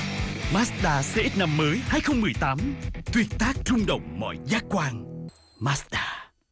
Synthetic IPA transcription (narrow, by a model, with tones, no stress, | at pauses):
maː˦˥sɗaː˧sɛ̰˧ʔiː˦˥t̚na˧mːəː˨˦jhaː˧jxə˧wŋ͡mmɨ˨˩əjt̪aː˨˦mt̪wi˨˩ə˩t̚t̪aː˦˥k̚t͡ɕʊ˧ŋ͡mɗə̰˧˨wŋ͡mmɔ̰˧˨jzaː˦˥k̚kwaː˧n | maː˦˥sɗaː˧